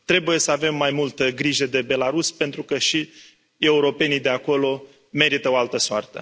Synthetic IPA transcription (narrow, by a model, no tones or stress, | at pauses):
t̪ɾe̞buje̞səave̞mːajmult̪əɡɾiʒəd̪e̞be̞laɾuspe̞nt̪ɾukəʃi | e̞uɾo̞pe̞nid̪e̞ako̞lo̞ | me̞ɾit̪əoalt̪əsoa̰rt̪ə̰